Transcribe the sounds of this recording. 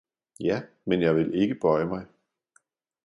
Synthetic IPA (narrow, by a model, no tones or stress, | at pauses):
jæ | menjɑ̈ɪʋe̝le̝ɡ̥əb̥ɒɪ̰əmɑ̈ɪ